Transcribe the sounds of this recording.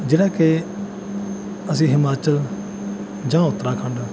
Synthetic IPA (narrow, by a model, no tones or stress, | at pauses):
d͡ʒeːɽaːke | əsĩːɦɪmaːt͡ʃəl | d͡ʒãːʊt̪ɾãːkʰə̃ɳɖ